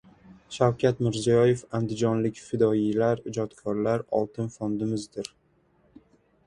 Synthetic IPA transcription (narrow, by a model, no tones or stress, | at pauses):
ʃawkʲʰat̪mɪɾzijɒje̞fand̪ɪd͡ʒɒnlɪkʲfɪd̪ɒilaɾɪd͡ʒɒt̪kʰɒɾlaɾɒ̰lˠt̪ʰɪnfond̪ɪmɪzd̪ɪɾ